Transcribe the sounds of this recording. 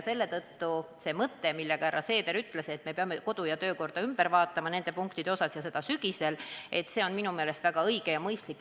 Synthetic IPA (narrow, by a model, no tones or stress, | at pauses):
se̞lːe̞t̪ɤt̪ːuse̞mɤt̪ːe̞milːe̞ɡ̥ɑɾʔɑ̰se̞ːd̪e̞ɾyt̪le̞se̞t̪ːme̞peɑmeko̞d̪̥ujɑt̪ø̞ːko̞rd̪̥ɑymb̥eɾvɑːt̪ːˑɑmɑne̞nd̪e̞puŋkt̪id̪eo̞sɑsjɑse̞d̪̥ɑsyɡ̥ise̞lʔe̞t̪ːˑse̞o̞nminume̞ːle̞st̪væɡ̥ɑɤjɡ̥e̞jɑmɤjst̪likːˑ